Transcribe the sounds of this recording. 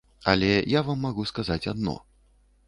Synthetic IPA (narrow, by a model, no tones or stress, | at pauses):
ɐ̰lʲɛjavamːaɣuskazat͡sʲad̪̚nɔ̰